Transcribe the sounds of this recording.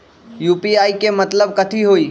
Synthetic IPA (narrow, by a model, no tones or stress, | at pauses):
juːpiaːikemɐt̪ləb̚kət̪ʰiɦoːiː